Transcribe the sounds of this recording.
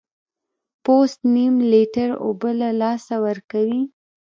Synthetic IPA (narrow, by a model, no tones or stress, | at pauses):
post̪nimliʈaɾo̰bəlalɑsawəɾkawi